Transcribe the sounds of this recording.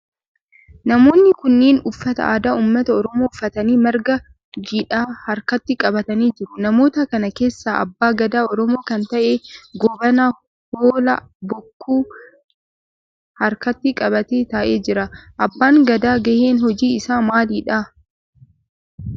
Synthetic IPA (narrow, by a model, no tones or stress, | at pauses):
nɐmo̞ːnːɪkʊnːeːnʊfːɐt̪ɐ̰aːd̪aːuːmːɐt̪ɐɔɾɔmo̞ːʊfːɐt̪ɐniːmɐɾɡɐ | d͡ʒiᶑaːhɐɾkɐt̪ːɪkʼɐbɐt̪ɐniːd͡ʒɪɾʊnɐmo̞ːt̪ɐkɐnɐke̞ːsːaːʔɐ̰bːaːɡɐd̪aːɔɾɔmoːkɐnt̪ɐʔeːɡɔbɐnaː | hoːlɐ | bɔkːuː | hɐɾkɐt̪ːɪkʼɐbɐt̪eːt̪ɐːʔe̞ːd͡ʒɪɾɐʔɐbːaːŋɡɐd̪aːɡɐheːnhɔd͡ʒiːɪsaːmaːliːᶑa